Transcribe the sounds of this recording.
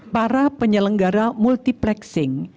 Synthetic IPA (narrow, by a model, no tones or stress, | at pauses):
paɾapəɲələŋɡaɾamult̪iplɛksɪŋ